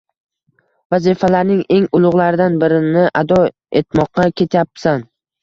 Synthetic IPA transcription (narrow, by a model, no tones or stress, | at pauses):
vazifalaɾnɪŋe̞ŋʊlˠʊʁlˠaɾɪd̪anbɪɾɪnɪʔad̪ɒ | e̞t̪mɒq̚ːɑkʲʰe̞t̪ʰjap̚san